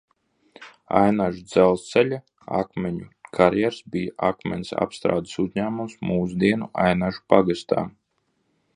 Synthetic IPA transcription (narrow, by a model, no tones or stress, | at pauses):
a̰jnaʒud̪zɛlˠst̪sɛlʲa | a̰kmʲeɲukʰaɾjɛɾsbijaʔakmʲɛnʲsa̰pst̪ɾa̰ːd̪ɨ̥suzɲæːmumsmuːsud̪iɛnuʔa̰jnaʒupaɡast̪a̰ː